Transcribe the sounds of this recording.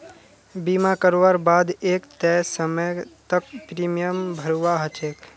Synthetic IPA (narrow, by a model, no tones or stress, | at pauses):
bimakəɾoʋaɾbaːd̪eːkt̪ɛsəməjt̪ək̚pɾiːmijəmbʱəɾuʋaɦət͡ʃeːk